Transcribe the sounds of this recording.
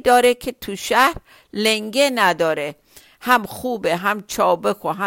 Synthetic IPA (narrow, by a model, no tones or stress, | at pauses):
d̪ɒːɾekʰet̪ʰuʃæhɾ | leŋɡenæd̪ɒːɾe | hæmxuːbeɦæmt͡ʃʰɒːbexoɦæ